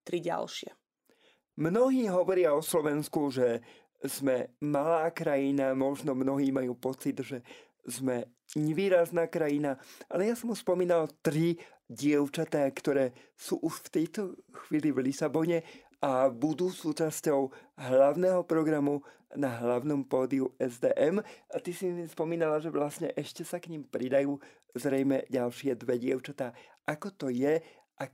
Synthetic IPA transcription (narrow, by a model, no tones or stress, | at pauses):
t̪ɾiɟa̰lʃɪɛ̰ | mnɔɦiːɦɔʋɔɾɪaɔslɔʋɛnskuʒɛ | zmɛmalaːkɾajinamɔʒnɔmnɔɦiːmajuːpɔt͡sid̪ʒɛ | zmɛ | ɲɛʋiːɾaznaːkɾajinaʔalɛjasɔmuspɔmiːnalt̪ɾi | ɟɪɛʊt͡ʃat̪aːkt̪ɔɾɛː | suːʔuʃft̪ɛjt̪ɔxʋiːlivlisabɔɲɛ | ʔabud̪uːsuːt͡ʃascɔʊɦlaʊnɛɦɔpɾɔɡɾamunaɦlaʊnɔmpɔːd̪iuɛzd̪ɛ̰ːʔɛmat̪isispɔmiːnalaʒɛʋlasɲɛʔɛʃcɛsakɲimpɾid̪ajuː | zɾɛjmɛɟalʃɪɛd̪ʋɛɟɪɛʊt͡ʃat̪aː | ʔakɔt̪ɔjɛ | ʔa